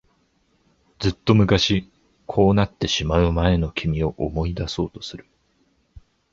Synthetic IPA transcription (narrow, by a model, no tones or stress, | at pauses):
d͡zɨt̪ːo̞mɯ̟kaɕi | kʰo̞ːnat̪ːe̞ɕimaɯ̟mae̞no̞kʲʰimʲio̞ʔomo̞id̪aso̞ːt̪o̞̥sɨɾɯ̟̥